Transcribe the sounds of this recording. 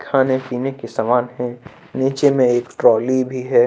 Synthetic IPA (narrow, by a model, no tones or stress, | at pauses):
kʰaːnepiːnekesaːmaːnɦɛ̃ | niːt͡ʃemẽeːkʈɾɔːlibʱiɦɛː